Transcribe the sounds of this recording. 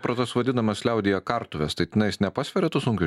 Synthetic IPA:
pɾɐt̪osʋɐd̪ʲɪnɐmɐsʲlʲɛʊd̪ʲɪjɛkɐɾt̪ʊʋʲɛst̪ɐɪt̪ʲɪnɐɪsnʲɛpɑːsʲʋʲɛɾʲɛt̪ʊsʊŋʲkʲʊ

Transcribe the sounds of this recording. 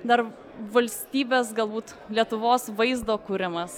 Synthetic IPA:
d̪ɐɾ | ʋɐlʲsʲt̪ʲiːbʲeːsɡɐlˠbuːt̪ | lʲiɛt̪ʊʋoːsʋɐɪzd̪oːkʊɾʲɪmɐs

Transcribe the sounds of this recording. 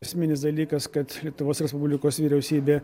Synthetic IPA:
ɐsʲmʲɪnʲɪsd̪ɐlʲiːkɐskɐt̪lʲiɛt̪ʊʋoːsɾʲɛspʊbʲlʲɪkoːsʋʲiːɾʲɛʊsʲiːbʲeː

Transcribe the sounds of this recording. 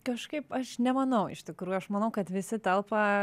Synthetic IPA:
kɐʃkɐɪpɐʃnʲɛmɐnɐʊɪ̰ʃt̪ʲɪkɾuːjuɐʃmɐnɐʊkɐt̪ʋʲɪsʲɪt̪ʲɐlˠpɐ

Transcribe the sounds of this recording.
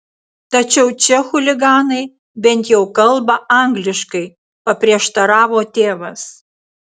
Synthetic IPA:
t̪ɐt͡ʃʲɛʊt͡ʃʲɛxʊlʲɪɡɑːnɐɪ | bʲɛnʲt̪jɛʊkɐlˠbɐɐŋɡlʲɪʃkɐɪ | pɐpʲɾʲiɛʃt̪ɐɾɑːʋoːt̪ʲeːʋɐs

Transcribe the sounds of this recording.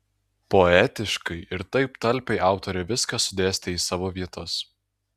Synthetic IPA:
poɛt̪ʲɪʃkɐɪʔɪɾt̪ɐɪpt̪ɐlʲˑpʲɛɪʔɑˑʊt̪oːɾʲɛʋʲɪskɐsʊd̪ʲeːsʲt̪ʲɛiːsɑːʋoːʋʲiɛt̪ɐs

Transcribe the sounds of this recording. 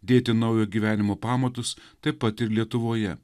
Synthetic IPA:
d̪ʲeːt̪ʲɪnɐʊjoːɡʲiːʋʲæːnʲɪmoːpɑːmot̪ʊst̪ɐɪpːɐt̪ɪɾlʲiɛt̪ʊʋoːjɛ̰

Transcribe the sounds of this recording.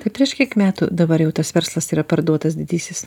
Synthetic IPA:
t̪ɐɪpʲɾʲiɛʃkʲiɛkmʲæːt̪ʊ̰d̪ɐbɐɾjɛʊt̪ɐsʋʲɛɾslˠɐsiːɾɐpɐɾd̪uɔt̪ɐsd̪ʲɪd̪ʲiːsʲɪs

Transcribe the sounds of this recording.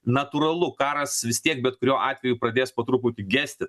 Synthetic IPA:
nɐt̪uːɾɐlˠʊkɑːɾɐsʋʲɪst̪ʲiɛk̚bʲɛt̪̚kʊɾʲoːʔɑːt̪ʲʋʲɛjuːpɾɐd̪ʲeːspɐt̪ɾuːpʊːt̪ʲɪɡʲæːsʲt̪ʲɪ

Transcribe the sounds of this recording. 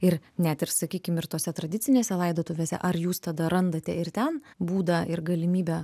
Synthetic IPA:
ɪɾnʲæt̪ɪɾsɐkʲiːkʲɪmɪɾt̪oːsʲɛt̪ɾɐd̪ʲɪt̪t͡ssʲɪnʲeːsʲɛlˠɐɪd̪oːt̪ʊʋʲeːsʲɛ̰ʔɐɾjuːst̪ɐd̪ɐɾɐnd̪ɐt̪ʲɛɪɾt̪ʲɛnbuːd̪ɐʔɪɾɡɐlʲɪmʲiːbʲɛ

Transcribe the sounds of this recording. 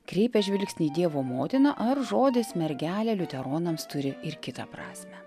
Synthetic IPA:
kɾʲɛɪpʲɛʒʲʋʲɪlʲksʲnʲiːd̪ʲiɛʋoːmoːt̪ʲɪnɐʔɐɾʒoːd̪ʲɪsmʲɛɾʲɡʲæːlʲɛːlʲʊt̪ʲɛɾoːnɐmst̪ʊɾʲɪɪɾkʲɪt̪ɐ̰pɾɑ̰ːsʲmʲɛ

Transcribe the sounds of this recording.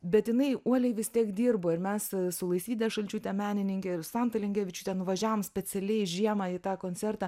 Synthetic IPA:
bʲɛt̪jɪnɐɪuɔlʲɛɪʋʲɪst̪ʲiɛkd̪ʲiːrboːɪɾmʲɛssʊlˠɐɪsʲiːd̪ʲɛʃɐlʲt͡ʃʲut̪ʲɛmʲæːnʲɪnʲɪŋʲkʲɛɪrsɑnt̪ɐlʲɛŋʲɡʲæːʋʲɪt͡ʃʲʊt̪ʲɛnʊʋɐʒʲæːʋoːmsʲpʲɛt͡s̪ʲɛlʲɛɪʒʲiɛmɑit̪ɑːkoːnʲt͡s̪ʲsʲɛrt̪ɑː

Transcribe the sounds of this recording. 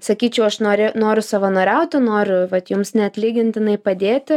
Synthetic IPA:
sɐkʲiːt͡ʃʲɛʊɐʃnoːɾʲɪnoːɾʲʊsɐʋɐnoːɾʲɛʊt̪ʲɪnoːɾʲʊʋɐt̪jʊmsnʲɛɐt̪ʲlʲiːɡʲɪnʲt̪ʲɪnɐɪpɐd̪ʲeːt̪ʲɪ

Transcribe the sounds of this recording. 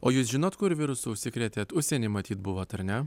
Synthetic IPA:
o̰ːjuːsʒʲɪnoːt̪kʊɾʋʲɪɾʊsuʊʃʲsʲɪkɾʲɛt̪ʲeːt̪ʊʃʲsʲɛnʲɪːmɐt̪ʲiːt̪bʊʋoːt̪ɐɾʲnʲɛ

